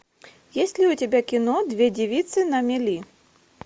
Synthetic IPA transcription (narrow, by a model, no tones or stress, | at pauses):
jesʲtʲlʲiutʲɛbʲakʲinɔd̪vʲɛdʲivʲit̪sɨnɐmʲɛlʲi